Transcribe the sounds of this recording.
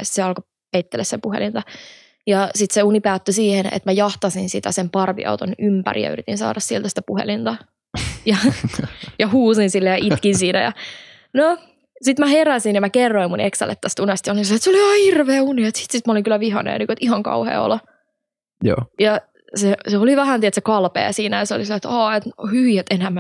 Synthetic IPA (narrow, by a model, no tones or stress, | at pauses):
si̥t̪seɑlko | peit̪ːelːæsepuɦḛlint̪ɑ | jɑsit̪seunipæːt̪ːysiːhenḛt̪mæjɑht̪ɑsinsit̪æsempɑrʋḭʔɑ̰ut̪onympæ̰rḭjɑ̰y̰ɾit̪insɑ̰ːɾʔɑssielt̪æsi̥t̪æpuhḛlint̪ɑ | jɑ | jɑhuːsinsilːejɑʔit̪kinsiːnæjɑ̰ | no | sit̪mæheɾæsinjɑmækerːoimːuneksæ̰lːḛt̪ːæst̪unest̪jɑolinslet̪seoliɑːhirʋeːuniet̪si̥t̪sit̪mæoliŋkylːæʋihɑ̰nḛːnikoet̪ihɑŋkɑ̰uhḛːo̰lɑ | jo̰ːjɑ | seseoliʋæhænt̪iet̪sekɑlpḛːsiːnæjɑseo̰lisilet̪ɑːet̪hyʋiet̪enhæmæ